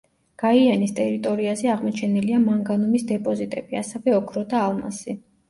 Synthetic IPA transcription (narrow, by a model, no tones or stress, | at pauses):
ɡ̥aianist̪ʼɛɾit̪ʼɔɾiazɛaʁmɔt͡ʃʰɛniliamaŋɡanumisd̪ɛpʼɔzit̪ʼɛb̥iasɛvɛɔkʰɾɔd̪aːlˠma̰si